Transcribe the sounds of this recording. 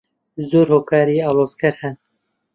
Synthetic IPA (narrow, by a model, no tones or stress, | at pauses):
zoːɾhoːkʰaːɾiːɑːloːzkʰɐɾhɛn